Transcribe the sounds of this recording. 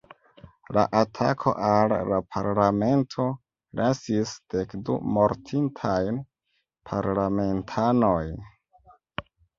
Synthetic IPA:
la̰ʔatʰakʰo̞̰ʔalːapʰaɾlame̞ntʰo̞ | lʔasisd̥e̞kdṵmo̞ɾtʰintʰajn | pʰaɾlame̞ntʰano̞jn

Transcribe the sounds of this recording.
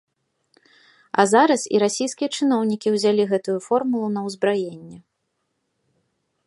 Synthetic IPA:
ɐ̰zaɾɐsḭɾasʲijskʲijɐt͡ʂɨnɔwnʲikʲiwzʲalʲiɣɛt̪ujufɔrmulˠunɐwzbɾajenʲːɛ

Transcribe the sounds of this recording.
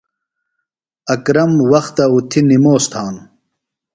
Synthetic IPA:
ɐkɾɐmwɐxt̪ɐut̪ʰinimoːst̪ʰaːn

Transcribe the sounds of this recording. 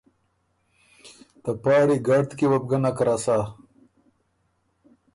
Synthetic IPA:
t̪ɐpɑːɽiɡɐɽt̪kiwɐp̚ɡɐnakɾasaː

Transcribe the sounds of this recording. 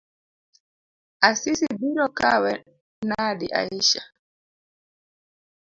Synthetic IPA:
ʔasisibiɾɔkawɛ | naːdiʔa̰iʃa

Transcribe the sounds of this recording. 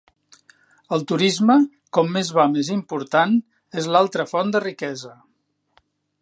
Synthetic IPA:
əlˠt̪uɾizmə | kɔmːezβamezimpuɾt̪an | ezlalˠt̪ɾəfɔnd̪ərikɛzə

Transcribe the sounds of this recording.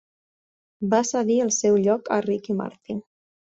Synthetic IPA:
basəɣiəlˠsɛwʎɔkə̰rikima̰ɾt̪in

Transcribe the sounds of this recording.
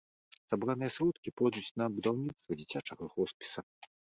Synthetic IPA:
sabɾanɨjɐsɾɔt̪kʲipɔd̪ut͡sʲnɐbud̪awnʲit̪st̪vɐd͡zʲit͡sʲat͡ʂɐɣɐɣɔspʲi̥sɐ

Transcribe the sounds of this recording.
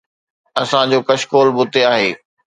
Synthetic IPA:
ɐsãd͡ʑoːkɐʃkoːlbʊt̪eaːɦeː

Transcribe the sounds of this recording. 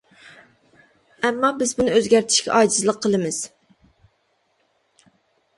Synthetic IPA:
ɛmːɑbɪzbunɨøzɡʲæɾt̪ʰɪ̥ʃkʲɛ̰ʔɑːd͡ʒɪzlˠəqʰːəlˠɨmɨz̥

